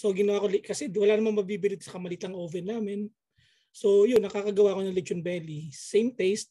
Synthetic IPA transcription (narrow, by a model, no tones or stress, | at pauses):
soɡɪnɐwaːkolkɐsɛwɐlaːnɐmanmɐɡ̚biːbɪlɪt̪̚sɐkɐmɐliːt̪ɐŋʔoːvɛnːaːmɪn | so̞jonːɐkaːkɐɡɐwaːko̞nɐŋlɛd͡ʒonbɛːlisejmt̪ɛjst̪̚